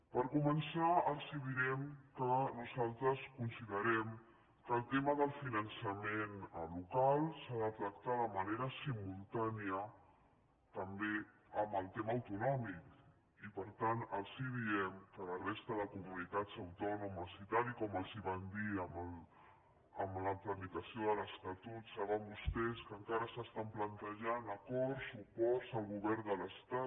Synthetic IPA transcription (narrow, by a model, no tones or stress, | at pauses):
pəɾkumənsaəlˠsiβiɾɛmkənuzalˠt̪ɾəskunsiðəɾɛm | kəːlˠt̪eməðəlˠfinənsəmenlukalˠsaðət̪ɾəkt̪aðəməneɾəsimulˠt̪aniə | t̪əmbeəmbəlˠt̪eməːwt̪unɔmik | ipəɾt̪anəlˠsiðiɛmkələrest̪əðəkumunit̪ad͡zəwt̪ɔnuməsit̪aɾikɔməlˠziβand̪iəməl | əmləpləmit̪əsioðələst̪at̪ut̪saβambust̪ɛskəŋkaɾəsəst̪amplənt̪əʒanəkɔɾsupɔɾzəlˠɣuβɛɾnd̪ələst̪at̪